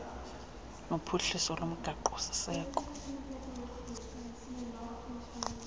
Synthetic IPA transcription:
nopʰuɬisɔlomʊɡ̥ʱaǃɔsɪ̥sɛːkʼɔ̥

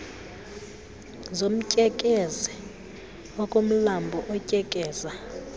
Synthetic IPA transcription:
zom̩cʼɛkʼezɛ | ɔkʼom̩lambʱɔʔɔcʼɛkʼɛːza

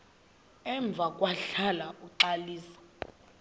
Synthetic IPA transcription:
ɛɱb̪vʱakʼwaɬalauǃaliːsḁ

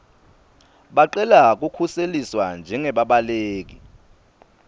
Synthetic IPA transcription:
ɓaǃɛlak̬ukʰuseliswand͡ʒʱɛŋɛɓaɓaleːk̬i

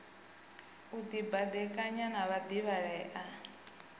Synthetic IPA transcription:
ud̪ibad̪ɛkʼaɲanaβad̪iβaɺɛːʔa

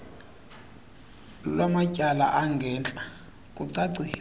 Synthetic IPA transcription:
lwamacʼala̰ʔaŋɡʱɛːnt͡ɬʼa | kʼuǀaǀi

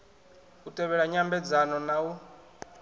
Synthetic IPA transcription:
utʼɛβɛɺaɲambɛd͡zanɔnau

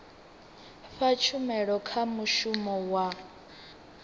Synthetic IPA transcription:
ɸat͡ʃʰumɛɺɔkʰamuʃumɔwa

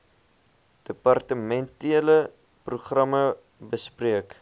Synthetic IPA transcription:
d̥əpɐrtəmɛntiələ | pruχrɐmə | bəspriək

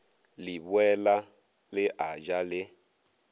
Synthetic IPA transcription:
libwɛla | lɪʔad͡ʒalɪ

